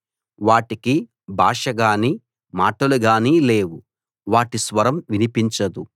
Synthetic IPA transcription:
ʋaːʈiki | bʱaːʂɐɡaːniː | maːʈɐluɡaːniːle̞ːwu | ʋaːʈisʋɐɾɐmʋinipiɲt͡ʃɐd̪u

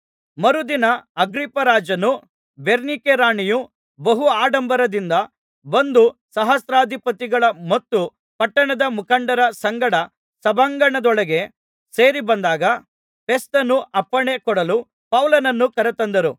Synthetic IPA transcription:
mɐɾud̪inɐɐɡɾipːɐɾaːd͡ʒɐnu | beɾnikeɾaːɳiju | bɐɦuaːɖɐmbɐɾɐd̪ind̪ɐ | bɐnd̪usɐɦɐsɾaːd̪ʱipɐt̪iɡɐɭɐmɐt̪ːu | pɐʈːɐɳɐd̪ɐmukɐɳɖɐɾɐsɐŋɡɐɽɐ | sɐbʱɐŋɡɐɳɐd̪ɔɭɐɡe̞ | seːɾibɐnd̪aːɡɐ | pe̞st̪ɐnːuʔɐpːɐɳe̞kɔɽɐlu | pɐwlɐnɐnːukɐɾɐt̪ɐnd̪ɐɾu

